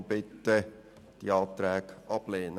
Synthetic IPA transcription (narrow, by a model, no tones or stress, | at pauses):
bɪt̪ːə | d̥iɑːt̪ɾɛːɡʔɑb̥leːnə